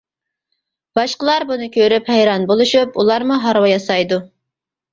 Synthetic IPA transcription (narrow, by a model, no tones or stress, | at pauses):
b̥ɑʃqəlˠɑɾbunɨkʲʰøɾyphæjɾɑnbolˠuʃupulˠɑɾmuɦɑɾwɑjɑsɑjd̪u